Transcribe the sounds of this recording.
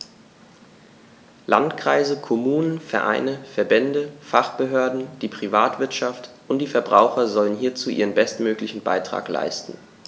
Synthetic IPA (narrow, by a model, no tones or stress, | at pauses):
lantkʁ̥a̰ɪzəkʰɔmuːnənfɛɐʔa̰ɪnəfɛɐbɛndəfaχb̥əɦøːɐdn̩d̥iːpʁ̥ivaːtv̥ɪɐtʃaftʔʊntd̥iːfɛɐbʁaʊxɐzɔlənhiːɐt͡suːʔiːʁ̞ənbɛstmøːklɪçn̩ba̰ɪtʁ̥a̰ːkla̰ɪstn̩